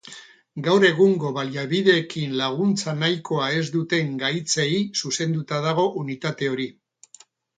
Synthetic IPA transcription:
ɡawɾe̞ɣuŋɡo̞βaliaβið̞e̞ːkinlaɣ̞unt͡sanajko̞ae̞zd̪ut̪e̞ŋɡajt͡se̞isuse̞nd̪ut̪að̞aɣ̞o̞ʔunit̪at̪e̞o̞ɾi

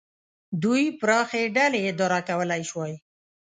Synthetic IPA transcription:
d̪ujpɾɑxeɖaled̪oɾɑkawəlajʃwaj

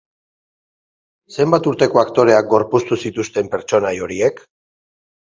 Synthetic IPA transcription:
se̞mbat̪uɾt̪e̞ko̞akt̪o̞ɾe̞ak̚ɡo̞ɾpust̪usit̪ust̪e̞mpe̞ɾt͡ʃo̞najo̞ɾiek

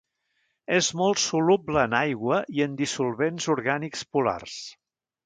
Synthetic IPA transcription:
ezmɔlˠt̪sulubləːnajɣwəʔiənd̪isulˠβenzuɾɣanikspula̰rs

